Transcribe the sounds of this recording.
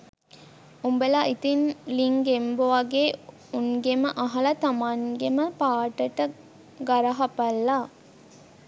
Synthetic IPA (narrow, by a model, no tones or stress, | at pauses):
umbelaːʔit̪inliŋɡemboʋɐɡeː | uŋɡeməʔɐɦɐlɐt̪amaŋɡeməpaːʈəʈə | ɡɐɾɐɦɐpɐlːa